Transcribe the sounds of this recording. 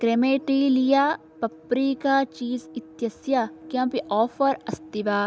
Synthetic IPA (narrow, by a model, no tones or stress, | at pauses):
kɾemeːʈilijaː | pɐpɾikat͡ʃiːzɪt̪jɐsjakjãːpiʔɔːfʰɐɾɐst̪iʋaː